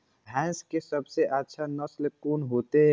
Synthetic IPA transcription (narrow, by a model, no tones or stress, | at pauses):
bʱɛ̃ːnskesəbseʔətːʃʰanəslɪp̚kunɦot̪eɦɛ̃